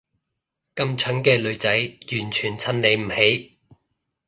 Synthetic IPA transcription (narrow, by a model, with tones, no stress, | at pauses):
kɐ˥mt͡ʃʰœ˨˥ŋkɛː˧lɵ˨˧ɥt͡sɐ˨˥jjyː˨˩nt͡ʃʰyː˨˩nt͡sʰɐ˧nle˨˧jm̩˨˩he˨˥j